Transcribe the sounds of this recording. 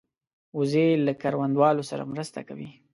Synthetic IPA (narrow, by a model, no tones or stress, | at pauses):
ʊzelakaɾwand̪wɑlosaɾa̰mɾəst̪a̰kawi